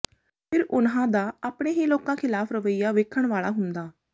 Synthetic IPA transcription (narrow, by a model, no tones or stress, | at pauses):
pʰɪɾʊnɦãːd̪aːaːpɳeːɦiːloːkãːkʰɪlaːpʰɾəʋəijaːʋeːkʰəɳʋaːɭaːɦʊnd̪aː